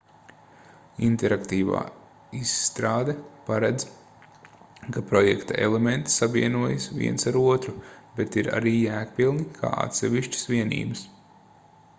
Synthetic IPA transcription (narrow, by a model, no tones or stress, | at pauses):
ḭnt̪ɛɾakt̪iːva̰ː | isːt̪ɾaːd̪epaɾɛd̪z | kapɾɔjɛkt̪a̰ʔḛlˠement̪i̥sabiɛnuɔjɐsvʲḭɛnsaɾuɔt̪ɾubet̪iɾa̰ɾiːjæːkpilˠnikʰa̰ːa̰t̪sɛʋiʃt͡ʃə̥sʋiɛnḭːbɐs